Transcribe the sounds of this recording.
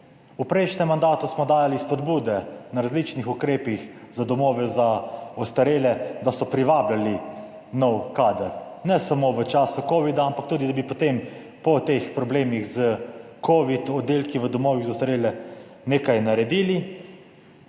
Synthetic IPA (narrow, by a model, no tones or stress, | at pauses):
upɾɛjʃnɛmːand̪aːt̪usmɔd̪aːjalispɔd̪buːd̪ɛnaɾazlit͡ʃnixukɾeːpix | zad̪ɔmɔːʋɛzaɔst̪aɾeːlɛd̪asɔpɾiʋaːblali | nɔwkaːd̪əɾnɛsamoʋət͡ʃaːsukoːʋid̪aampak̚t̪uːd̪id̪abipot̪em | pɔt̪expɾɔbleːmixzəkoʋit̪ɔd̪ːeːlkiʋəd̪ɔmɔːʋiɣzast̪aɾeːlɛ | neːkajnaɾɛd̪iːli